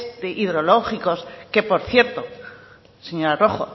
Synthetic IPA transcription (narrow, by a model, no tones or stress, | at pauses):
t̪eʔiðɾo̞loxiko̞ske̞po̞ɾθje̞ɾt̪o | seɲoɾaro̞xo̰